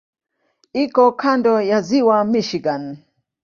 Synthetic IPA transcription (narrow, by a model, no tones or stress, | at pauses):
ikɔkʰandɔjaziwamiʃiɡan